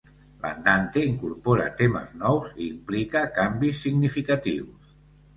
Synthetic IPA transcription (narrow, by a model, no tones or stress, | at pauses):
la̰nd̪ant̪eiŋkuɾpoɾa̰t̪emə̰znɔwziːmplikakambisːiɡnifikat̪ḭws